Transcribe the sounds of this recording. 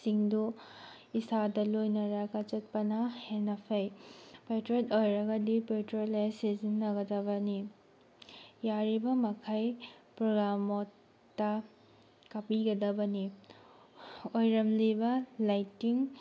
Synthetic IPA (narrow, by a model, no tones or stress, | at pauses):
siŋdu | isadɐlojnɐɾaɡat͡ʃɐt̚pɐnɐhenɐpʰɐjpetɾotojɾɐɡɐdipetɾolesezinːɐɡɐdɐbɐni | jaɾibɐmɐkʰajpɾoɡɾamotː | ɐ | kɐpiɡɐdɐbɐni | ojɾɐmlibɐlajtːiŋ